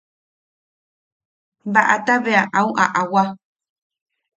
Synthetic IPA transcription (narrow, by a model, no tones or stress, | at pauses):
baʔa̰t̪aβeaʔauʔa̰ʔawa